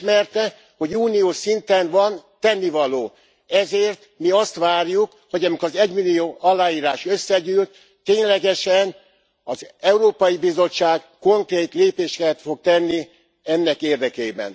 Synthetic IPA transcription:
mɛrt̪ɛ | ho̞ɟuːnijoːʃint̪ɛnvɒnt̪ɛnːivɒloː | ɛzeːrt̪miɒst̪ʋaːrjuk | ho̞ɟɛmikɒzɛɟmilːioːʔɒlːaːiːɾaːʃø̞sːɛɟyːlt̪ː | eːɲlɛɡɛʃɛn | ɒzɛuɾoːpɒjibizo̞t͡ʃːaːɡ | ko̞ŋkreːt̪leːpeːʃɛkɛt̪fo̞k̚t̪ɛnːi | ɛnːɛkeːrd̪ɛkeːbɛ̰n

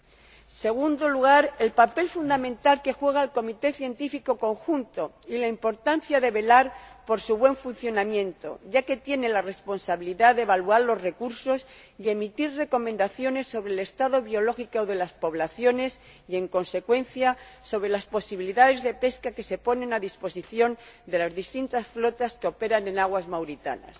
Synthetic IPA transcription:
se̞ɣ̞und̪o̞luɣ̞aɾe̞lpape̞lfund̪amẽ̞nt̪alke̞xwe̞ɣ̞aelko̞mit̪e̞θje̞nt̪ifiko̞ko̞ŋxunt̪o̞ | ilaimpo̞ɾt̪anθjaðe̞βe̞laɾpo̞ɾsuβwe̞ɱfun̟θjo̞namjẽ̞nt̪o̞̰ʝake̞t̪je̞ne̞lare̞spo̞nsaβiliðaðeβaluaɾlo̞zre̞kuɾso̞s | ie̞mit̪iɾre̞ko̞mẽnd̪aθjo̞ne̞sːo̞βɾele̞st̪aðo̞βjo̞lo̞xikooðe̞laspo̞βlaθjo̞ne̞s | ie̞ŋko̞nse̞kwe̞nθjaso̞βɾe̞laspo̞siβiliðaðe̞zðe̞pe̞skake̞se̞po̞nẽ̞naðispo̞siθjo̞nd̪e̞lazðist̪int̪asflo̞t̪askeo̞pe̞ɾanẽ̞naɣwazmawɾit̪a̰na̰s

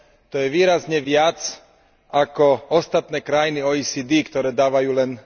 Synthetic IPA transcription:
t̪ɔjɛʋiːɾazɲɛʋɪat͡s | ʔakɔɔst̪at̪nɛːkɾajiniɔːiːsiːd̪iːkt̪ɔɾɛːd̪aːʋajuːlɛn

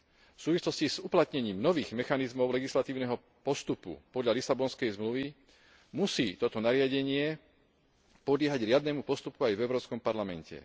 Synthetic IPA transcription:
fsuːʋislɔsciz̥uplat̪ɲɛɲiːmnɔʋiːɣmɛxanizmɔʊlɛɡislat̪iːʊnɛɦɔ | pɔst̪upṵpɔd̪ʎalisabɔnskɛjzmluʋi | musiːt̪ɔt̪ɔnaɾɪaɟɛɲɪɛ | pɔd̪lɪɛɦaɟɾɪad̪nɛːmupɔst̪upuajvɛʊɾɔːpskɔmpaɾlamɛ̰ncɛ̰

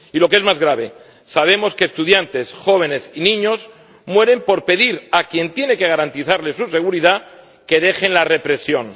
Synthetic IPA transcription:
ilo̞ke̞zmazɣɾaβ̞e̞ | saβ̞e̞mo̞ske̞ːst̪uð̞jant̪e̞sxo̞β̞e̞ne̞sinĩɲo̞z | mwe̞ɾe̞mpo̞ɾpe̞ð̞iɾakje̞nt̪je̞ne̞ke̞ɣ̞aɾant̪iθaɾle̞suse̞ɣ̞uɾiða | ke̞ðe̞xe̞nlare̞pɾe̞sjo̞n

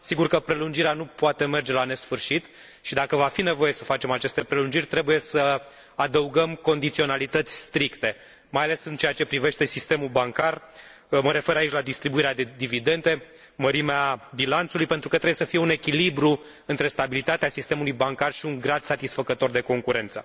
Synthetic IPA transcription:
siɡurkəpɾe̞lund͡ʒiɾeanupuat̪e̞me̞rd͡ʒe̞lane̞sfɨrʃit̪ | ʃid̪akəvafine̞voje̞səfat͡ʃe̞mat͡ʃe̞st̪e̞pɾe̞lund͡ʒirʲt̪ɾe̞buje̞sə | ad̪əuɡəmko̞nd̪it̪sio̞nalit̪ət̪sʲst̪ɾikt̪e̞ | majale̞sɨnt͡ʃeat͡ʃe̞pɾive̞ʃt̪e̞sist̪e̞mulbaŋkar | məɾe̞fe̞ɾait͡ʃʲlad̪ist̪ɾibuiɾead̪ed̪ivid̪e̞nt̪e̞ | məɾimeabilant̪sulujpe̞nt̪ɾukət̪ɾebjesəfije̞une̞kʲilibɾu | ɨnt̪ɾe̞st̪abilit̪at̪easist̪e̞mulujbaŋkarʃiuŋɡɾad̪sat̪isfəkət̪o̞rd̪e̞ko̞ŋkuɾe̞nt̪sə̰

